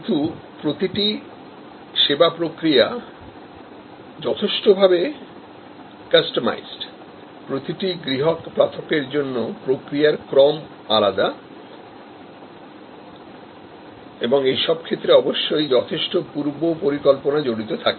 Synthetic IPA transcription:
it̪u | pɾot̪iʈi | ʃebapɾokɾia | d͡ʑɔt̪ʰeʃʈobʱabe | kasʈoma̰jzɖ | pɾot̪iʈiɡɾiɦokpɾat̪ʰokeɾd͡ʑonːopɾokɾijaɾkɾɔm | alad̪a | eboŋejʃɔb̚kʰet̪ːɾeɔboʃːojd͡ʑɔt̪ʰeʃʈopuɾbopoɾikɔlponad͡ʑoɽit̪ot̪ʰake

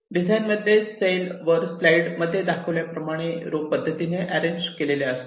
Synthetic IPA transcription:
ɖid͡zajnməd̪ʱːjesejlʋəɾslaiɽməd̪ʱːjed̪akʰəʋljapɾəmaɽ̃eɾoɡ̚pəd̪ʱːət̪ineʔæɾeɲd͡ʑkeleleəst̪

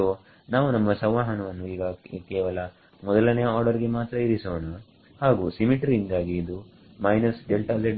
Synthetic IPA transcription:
o | naːʋunɐmːɐsɐʋʋaːɦɐnɐʋɐnːuiːɡɐkɛːʋɐlɐ | mɔd̪ɐlɐnɛjɐaːɾɖɐɾiɡe̞maːt̪ɾɐiɾisoːɳɐ | haːɡuːsimiʈɾiind̪aːɡiːd̪u | mɐjnɐsɖelʈaːle

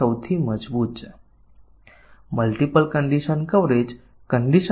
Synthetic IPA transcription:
əwt̪ʰiːməd͡zbuːt̪t͡s | məlʈipəlkəɳɖiɕənkəʋɾed͡ʑ | kəɳɖiɕə

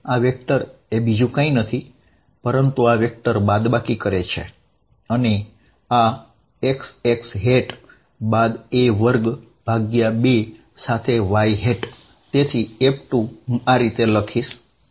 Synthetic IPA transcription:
aʋjek̚t̪əɾebid͡ʒũkãĩnət̪ʰi | pəɾənt̪uaʋjək̚t̪əɾbad̪bakikəɾet͡ʃʰḛ | əne | a | ekseksɦeʈ | bad̪eʋəɾɡ | b̥ʱaɡjabe | sat̪ʰeʋaiɦeʈ | t̪et̪ʰiepʈũaɾit̪eləkʰiʃ

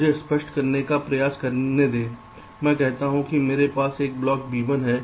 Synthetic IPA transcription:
d͡ʒʱespəʃʈkɐɾnekapɾɐjaːskɐɾned̪ẽː | mɛ̃ːkɛɦt̪aɦũkimeːɾepaːseːk̚blɔːkbiːʋənɦɛː

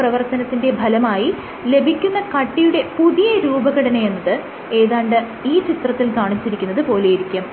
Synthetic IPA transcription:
prɐʋɐrt̪ɐnɐt̪ːinde̞bʱɐlɐmaːji | le̞bʱikʲːunːɐkɐʈːijuɽe̞puðijɐɾuːbɐɣɐɽɐnɐjenːɐðɨ | e̞ːðaːɳɖɨ | iːt͡ɕit̪rɐt̪ːilkaːɳit͡ɕːiɾikʲːunːɐðɨpo̞ːlejiɾikʲːɐm

